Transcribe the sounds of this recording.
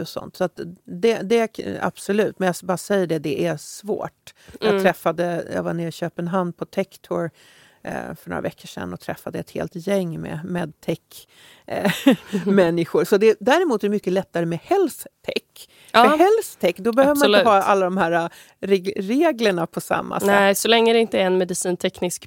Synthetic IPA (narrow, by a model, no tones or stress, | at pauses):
ɔsɔ̰nt̪sɔat̪d̪ɛd̪ɛa̰b̥sɔlʉ̟ːt̪mɛnjabɑːɾsɛjːəɖɛd̪ɛʔæsvo̰ːʈjɑːɡ̪ʰɾɛfːad̪əjɑ̰ːɡvaɳɪːɾɪɕøːpənɦand̪̚pʰɔt̪ʰɛkt̪ʰɔɾ̰ | fœɳo̰ːɾa̰vɛkʰːəʂɛ̰nːɔt̪ʰɾɛfːad̪əjaɛt̪hḛːlt̪jɛŋːmḛmḛd̪̚t̪ʰɛkː | mɛnːɪɧʊɾsɔd̪ɛd̪æːɾɛmuːt̪æɖ̪ɛmʏkːəlɛt̪ːaɾəmɛhɛlst̪ʰɛ̰kː | hɛlst̪ʰɛkːd̪ɔbɛhøːvəmaɪləhɑːa̰lːad̪ɔmhæːɾa | ɾɾeːɡləɳapʰɔsa̰mːa̰sɛɛsɔlɛŋːəd̪ɛɪnt̪əɾɛnmɛd̪ɪsiːnt̪ʰɛknɪsk